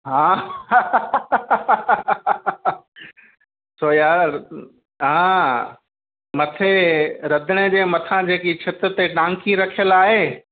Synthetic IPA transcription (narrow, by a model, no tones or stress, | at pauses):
ɦãː | soːjaːɾɾ | ɦãː | mɐt̪ʰeɾɐd̪ʱəɽ̃ed͡ʑeːmɐt̪ʰãd͡ʑeːkit͡ɕʰɪt̪ɾt̪eʈãːŋkiɾɐkʰjəlaːɦeː